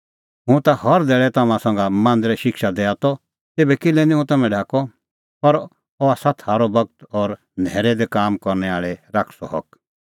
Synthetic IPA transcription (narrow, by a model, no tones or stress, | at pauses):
ɦũt̪ahɔɾd̪ɛːɭɛt̪ɐmãsɐ̃ŋɡamãːnd̪ɾɛʃɪkʰʃad̪ɛːat̪ɔ | t̪eːbɛkɪlɛ̃nĩɦũt̪ɐmɛ̃ɖʱaːkɔ | pɐɾ | ɔaːsat̪ʰːaːɾɔbɐɡ̚t̪ɔːɾ | nɛːɾɛd̪ɛkaːmkɔɾnɛaːɭɛɾaːkʰsɔɦɔk